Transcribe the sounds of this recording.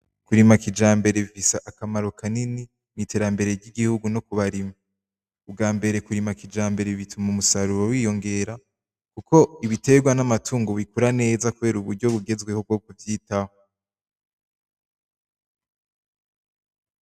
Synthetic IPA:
kuɾimakid͡ʒaːmbe̞ɾe̞βifisaʔakamaɾo̞kʰanini | nitʰe̞ːɾambe̞ɾe̞ɾɟiɡihuɡuno̞kuβaɾima | ub̚ɡaːmbe̞ɾe̞kuɾimakid͡ʒaːmbe̞ɾeβitʰumaumusaɾuɾowiːjo̞ŋɡe̞ɾa | kukʰo̞iβite̞ɡwanamatuːŋɡoβikuɾane̞ːzakuβe̞ːɾuβuɾɟo̞βuɡe̞zɡwe̞hob̚ɡoːkuvjiːtaho

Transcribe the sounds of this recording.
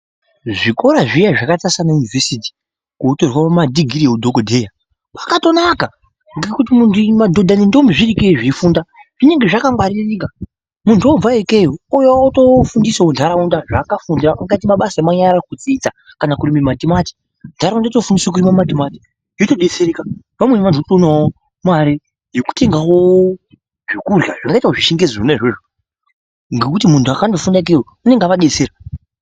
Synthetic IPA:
ʐiko̞ɾaʐijaʐakatasanajunivesiti̥ | koːtorwaamadiɡʱiɾijeudʱokodʱe̞ja | pakato̞naka | ŋɡekutimuntimadʱo̞dʱanindoombiʐirikeiʐiifuːndaʐ̥ine̞ŋɡe̞ʐakaŋwarireɲika | muntʰuo̞b͡vaekejoujowaoto̞fundiseondʰʱaɾaundaʐakafundiraʔaŋɡait̬imaɓasajemaɲaɾakut͡siit͡sa | kanakurimimadimati̥ | ndʰʱaɾaundatofundiswokurimamadimati̥ | jotoɗet͡seɾeka | ʋamwenʋanʰuotonao | maɾe | joku̥te̞ŋɡawo | ʐekurjaʐaŋɡaitaoʐiʃeŋɡezoroneʐe̞ʐo | ŋɡekutimuntʰuakandofundaek̬ejo | une̞ŋɡaʋaɗe̞t͡seːɾa

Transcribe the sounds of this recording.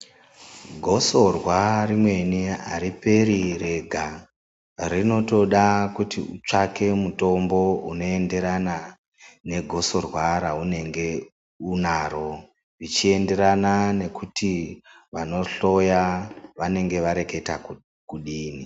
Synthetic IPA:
ɡʱo̞so̞rwarimwe̞niɦa̰ɾipe̞ɾire̞ɡʱa | rino̞to̞ɗakutḭut͡ʂake̞muto̞mbo̞uno̞e̞nde̞ɾana | ne̞ɡʱo̞so̞rwaɾaune̞ŋɡe̞ | unaɾo̞ | ʋit͡ʃie̞nde̞ɾanane̞kuti | ʋano̞ɬo̞jaʋane̞ŋɡe̞ʋaɾe̞ke̞ta | kuɗiːni

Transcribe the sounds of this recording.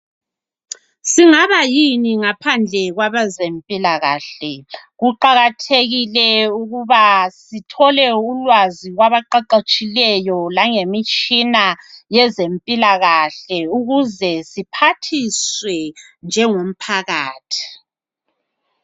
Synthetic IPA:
siŋaβajiniŋapʰand͡ɮʱɛɣwaβazempʼilaɣa̰ːɬɛɣuǃaɣatʰeɣilɛuɣuβasitʰɔlɛulwaziɣwaβaǃaǃat͡ʃʼilɛjɔlaŋemit͡ʃʼinajɛzempʼilaɣaɬɛuɣuzɛsipʰatʰiswɛ | nd͡ʒʱɛŋom̩pʰaɣaːtʰi̥

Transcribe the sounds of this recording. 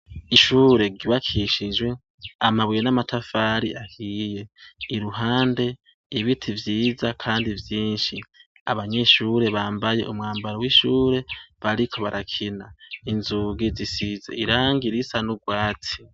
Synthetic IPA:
iʃuːɾe̞ɡiβakʰiʃid͡ʒwe̞ | amaβujenamatʰafaɾiʔahije̞iɾuɦaːnde̞ | iβitʰivjiːzakʰaːndivjiːnʃi | a̰βaɲe̞ʃuːɾe̞βaːmbaje̞̰ʔumŋaːmbaɾowiʃuːɾe̞βaɾikʰo̞βaɾʔakʰinainzuɡizisizḛiɾaːŋɡiɾisanuɡwaːt͡si̥

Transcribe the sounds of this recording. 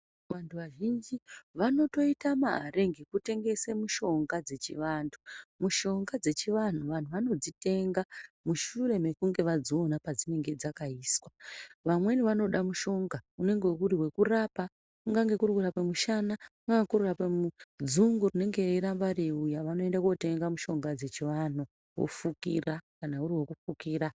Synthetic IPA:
ʋantʰuʋaʒind͡ʒiʋano̞to̞itamaɦaɾe̞ŋɡikute̞ŋɡe̞semuʃo̞ŋɡad͡ze̞t͡ʃḭʋantʰumuʃo̞ŋɡad͡ze̞t͡ʃiʋan̤uʋan̤uʋano̞d͡zite̞ŋɡamuʃuɾe̞me̞kuŋɡe̞ʋad͡zoːnapad͡zine̞ŋɡe̞d͡zakaiːswaʋamwe̞niʋano̞ɗamuʃo̞ŋɡaune̞ŋɡe̞uɾiwe̞kurapa | kuŋɡaŋɡe̞kurikuɾapemuʃanakuŋɡaŋkururapemud͡zuŋɡurine̞ŋɡe̞iɾambaɾeujaʋano̞e̞ndakuote̞ŋɡamuʃo̞ŋɡad͡ze̞t͡ʃiʋanu | wo̰fukḭrakanauɾiwe̞kufukiːɾa

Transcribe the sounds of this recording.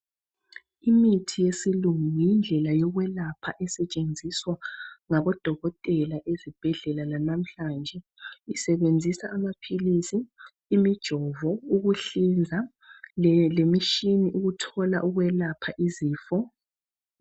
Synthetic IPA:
imitʰijesiluŋujind͡ɮʱɛlajɔɣwɛlapʰaʔɛsɛt͡ʃʼend͡zʱiswaŋaβɔd̥ʱɔɣɔtʼɛlaʔezib̥ʱɛɮɛlalanam̩ɬand͡ʒʱɛ | isɛβend͡zʱisaʔːmapʰilisiː | mid̥ʒ̥ʱɔvɔuɣuɬind͡zʱa | lemiʃiniʔuɣutʰɔla̰ʔuɣwɛlapʰaʔiziːfɔ

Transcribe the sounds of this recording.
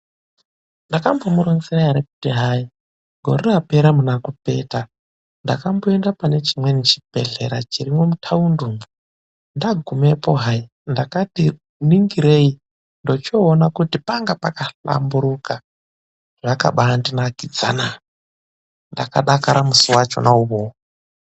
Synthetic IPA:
ndakambomuɾonsiraaɾeku̥teɦai | ɡʱo̞̰reape̞ɾamunakupe̞̰ta | ndakamboe̞ndapane̞t͡ʃimwe̞nit͡ʃi̥b̥ʱe̞̰ɮḛɾat͡ʃirimomutʰaundumu | ndaɡʱumepoɦai | ndakati | niŋɡiɾei | ndot͡ʃoːnakutipaŋɡapakaɬa̰mbuɾuka | ʐaka̰ɓaːndinakid͡za̰na | ndaka̰ɗakaɾamusiwat͡ʃo̞̰nauβo

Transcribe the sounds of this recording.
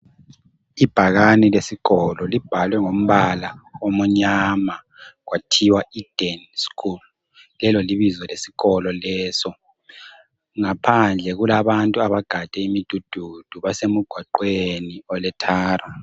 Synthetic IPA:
ib̥ʱaɣanilesiɣɔlɔlib̥ʱalwɛŋom̩βalaomɔɲama | ɣwatʰiwaid̥ʱɛnskʰul | lɛlɔliβizɔlesi̥ɣɔlɔlɛːsɔ | ŋapʰand͡ɮʱɛɣulaβantʼuaβaɡ̥ʱad̥ʱɛimid̥ʱud̥ʱud̥ʱuβasemuɡ̥ʱwaǃweniɔlɛtʰaːra

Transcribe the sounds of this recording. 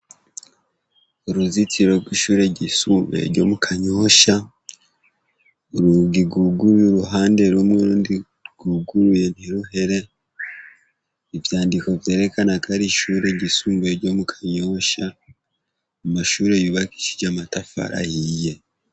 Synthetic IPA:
oɾuzit͡siɾo̞ɡwiːʃuːɾe̞ɟisuːmbe̞̰ɾɟo̞̰mukʰaɲo̞ːʃa | oɾuɡiɡuɡuɾuɾuɦaːnde̞ɾumŋeɾuːndi | ɡ̥uɡuɾuje̞n̥iɾuɦe̞ɾe̞ | ivjaːndiko̞vje̞ːɾe̞kanakʰaɾiʃuːɾe̞ɟisuːmbe̞ɾɟo̞mukʰḁɲo̞ʃa | umaʃuːɾe̞juβaki̥ʃi̥ɟamatafa̰ɾʔa̰hije̞

